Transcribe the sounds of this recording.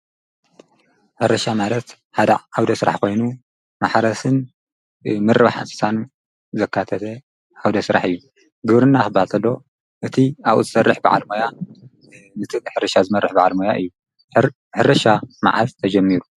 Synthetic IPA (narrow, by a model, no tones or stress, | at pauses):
ħɨɾɐʃamalɐt̪ | ħad̪ɐ̰awd̪ɐsɨɾa̰ħko̞jnu | maħɾɐsɨn | mɨɾɨβaħa̰nsɨ̥sʰan | zɐkʰːat̪ʰɐt̪ʰɐ | ʔawd̪ɐsɨɾa̰ħɨjːu | ɡɨβɾɨnːaxɨbalt̪ʰɐlːo | ʔɨt̪ʰiaβʔuzɨsɐrːɨħba̰ʕa̰lmoja | nɨt̪ʰɨħɨɾɐʃazɨmɐrːɨħbaʕalmojaʔɨjːu | ħɨɾɐʃama̰ʕa̰zt̪ʰɐd͡ʒɐmːiɾu